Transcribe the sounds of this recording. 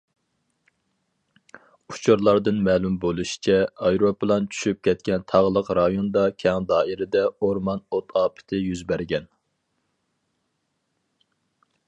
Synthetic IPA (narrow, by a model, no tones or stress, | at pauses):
u̥t͡ʃʰuɾlˠɑɾd̪ɨnmɛːlumbolˠuʃi̥t͡ʃʰɛɑjɾoplˠɑnt͡ʃʰy̥ʃyp̚kʲʰɛt̪̚kʲɛnt̪ʰɑʁlˠəqɾɑjond̪ɑkʲʰɛŋd̪ɑːiɾɪd̪ɛoɾmɑnot̪ʰɑːpʰɪ̥t̪ʰɪjyzbæɾɡʲɛn